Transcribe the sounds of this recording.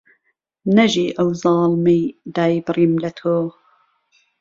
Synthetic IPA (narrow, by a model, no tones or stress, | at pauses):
nɐʒiːʔɐwzɑːlmejd̪aːjbɨɾiːmlɐt̪ʰoː